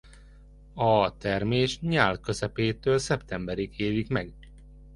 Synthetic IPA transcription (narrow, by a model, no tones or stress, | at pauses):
ɒt̪ɛrmeːʃɲaːlkø̞zɛpeːt̪øːlsɛpt̪ɛmbɛɾikeːvikmɛɡ